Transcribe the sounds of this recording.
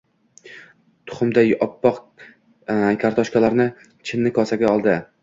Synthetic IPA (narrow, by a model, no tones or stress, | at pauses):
t̪ʰʊ̥χʊmd̪ajɒpːɒq | kʲʰaɾt̪ʰɒʃkʲalaɾnɪ | t͡ʃʰɪnːɪkʰɒsaɡʲaɒlˠd̪ɪ